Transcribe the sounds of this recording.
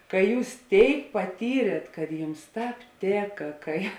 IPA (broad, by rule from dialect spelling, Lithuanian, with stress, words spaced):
kɐ ˈjuːs ˈtʲeːɪk pɐˈtʲiːrʲeːt kɐt ˈjʊms ˈtɑːp ˈtʲeːkɐ kɐɪ